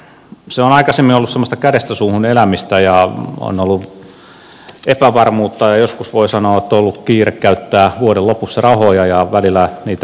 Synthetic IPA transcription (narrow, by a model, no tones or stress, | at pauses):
seonɑikɑsemːinolːussemːost̪ɑkæɾest̪æsuːhunelæmist̪æjɑo̰nolːu | ʔepæʋɑrmuːt̪ːɑjɑjoskusʋoisɑnoːet̪ːolːukkiːrekkæyt̪ːæːʋuoɾellopusːɑrɑhojɑjɑʋælilːˑæniːt̪æ